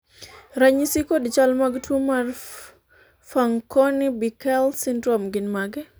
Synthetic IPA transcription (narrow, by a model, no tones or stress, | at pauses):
ɾaɲisikodt͡ʃalmaɡtwomar | faŋkɔnibikɛlsindɾɔmɡɪnmaɡɛ